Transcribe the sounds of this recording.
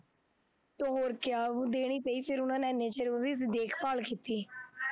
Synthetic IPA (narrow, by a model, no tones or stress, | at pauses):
t̪oːɦoːɾkɪaːũːd̪eːɽ̃iːpəiːpʰɪɾʊnãːnẽːneːt͡ʃəɾoːʋiːsɪd̪eːkʰpaːlkiːt̪iː